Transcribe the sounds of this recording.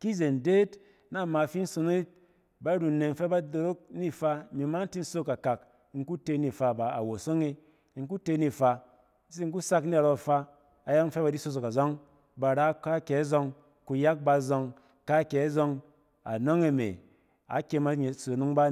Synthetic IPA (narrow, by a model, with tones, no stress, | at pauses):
ki˦ze˨n˨de˦t | na˦˨ma˨fi˦n̩˦so˨˧n˦ | ba˦ɾu˨ne˨m̩˦fe˦ba˦do˨ɾo˦k̚ni˦fa˧mi˨ma˦n̩˦ti˦n̩˦so˦ka˨ka˨k | ŋ̩˦ku˦te˧˦ni˨fa˧ba˨a̰˨wo˨so˦ŋe˧˨ | ŋ̩˦k̬u˦te˧˦ni˦fa˧˦ | si˦ŋ̩˦k̬u˦sa˦kni˦a˨ɾo˧˨fa˧ | a˨ja˦ŋn̩˦fe˦ba˧di˦so˧s̬o˨ka˨zɔ˦ŋ | ba˨ɾa˦ka˦kʲe˨a˦zo˧ŋ | ku˧ja˦k̚ba˧zɔ˧ŋ | ka˦ke˨a˦zo˧ŋ | a̰˨no˦ŋe˧˨mḛ˨ | a̰˨˦kʲe˧ma˦ɲe˨so˨nu˦ŋba˦